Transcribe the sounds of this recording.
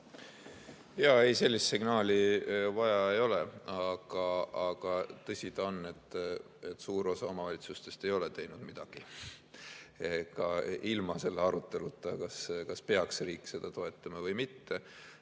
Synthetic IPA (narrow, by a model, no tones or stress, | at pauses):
jɑe̞jse̞lʲːist̪siɡ̥nɑːlʲivɑjɑe̞jo̞leɑɡ̥ɑɑɡ̥ɑt̪ɤsʲid̪̥ɑonːe̞t̪ː | et̪ːsuːɾo̞sɑo̞mɑvɑlʲit̪sust̪e̞st̪e̞jo̞le̞t̪e̞jnud̪̥mid̪̥ɑɡ̥i | eɡɑilmɑse̞lːeɑɾut̪ːˑe̞lut̪ːˑɑkɑskɑspe̞ɑksriːkːse̞d̪̥ɑt̪o̞e̞t̪ːˑɑmɑvɤjmit̪ːe